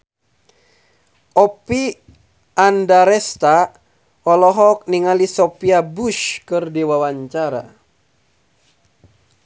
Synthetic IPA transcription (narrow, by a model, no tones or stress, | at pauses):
ʔɔpi | andaɾɛst̪a | ɔlɔɦɔk̚niŋalisɔpiabuʃkɨrdiwawaɲt͡ʃaɾa̰